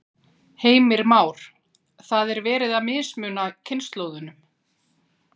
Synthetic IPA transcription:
heːjmɪɾmaːwɾ̥ | θaðɛɾvɛːɾɪðaðmɪːsmʏːnacʰɪnst̪loːwðʏnʏm

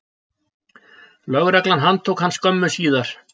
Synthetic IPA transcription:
lœɣɾɛklanɦant̪ʰuːkhanːskœmːʏsiːðaɾ̥

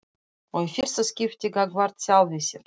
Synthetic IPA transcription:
oefʲirsɨskʲiftʲiɡaɡvart̪sʲalˠvʲesʲe

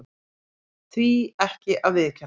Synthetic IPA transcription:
t̪ʰiːɛhkɪʔavɪːkʰɛ

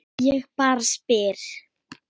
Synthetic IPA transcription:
jɛɣpaɾspɪɾ̥

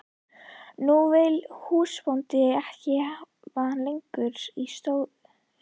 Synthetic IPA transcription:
nuvɪlhuːspownt̪ɪɛhcɪ | vanlejŋkʏɾist̪oːwðʏ

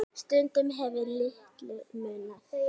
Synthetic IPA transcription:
st̪ʏnt̪ʏmɦɛvɪlɪht̪lʏmʏːna

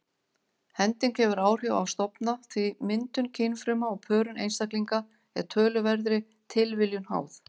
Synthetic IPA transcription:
hɛnt̪ɪncɛːvʏɾaːwr̥jawa̰wst̪ɔpnaθvimɪnt̪ʏncʰejnfɾʏmaɔɣpʰœːɾʏnʔḛjnst̪akliŋka | ɛ̰ɾt̪ʰœːlʏvɛɾðɾɪ | t̪ʰɪlvɪljʏnha̰ːwθ

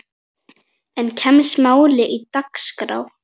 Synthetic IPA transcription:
ɛncʰɛmsmaːwlɪʔit̪akskɾa̰ːw

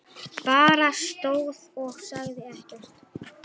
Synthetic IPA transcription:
paːɾast̪oːwðɔhsaɣðɪɛhcɛr̥t̪

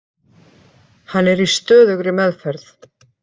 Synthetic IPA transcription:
hanːɛɾist̪œːðʏɣɾɪmɛðfɛɾθ

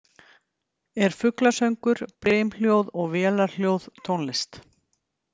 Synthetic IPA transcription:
ɛɾ̥fʏklasœɥŋkʏɾ̥pɾeːjml̥jowðɔɣvɛːlaɾl̥jowð̥t̪ʰownlɪst̪

